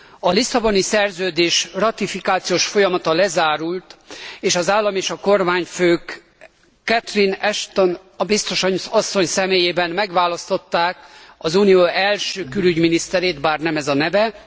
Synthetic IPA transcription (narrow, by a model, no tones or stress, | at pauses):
ɒlisɒbo̞nisɛrzøːd̪eːʃrɒt̪ifikaːt̪sijoːʃfo̞jɒmɒt̪ɒlɛzaːɾult̪eːʃɒzaːlːɒmeːʃɒko̞rmaːɲføːkː | ɛt̪rinɛʃt̪on | bist̪o̞ʃɒɲusɒsːo̞ɲsɛmeːjeːbɛnmɛɡʋaːlɒst̪o̞t̪ːaːkɒzunioːɛlʃøːkylyɟminist̪ɛɾeːt̪baːrnɛmɛzɒnɛvɛ